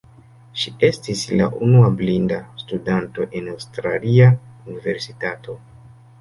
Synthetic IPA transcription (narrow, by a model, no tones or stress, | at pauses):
ʃie̞stisla̰ʔunuablindastudanto̞ʔe̞nawstɾa̰liaunive̞ɾsitato̞